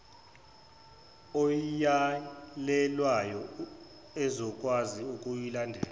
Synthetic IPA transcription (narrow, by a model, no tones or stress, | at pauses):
ɔjalɛlwajɔ | ɛzɔk̬ʼwaziuk̬ʼujilandʱɛ̰ːla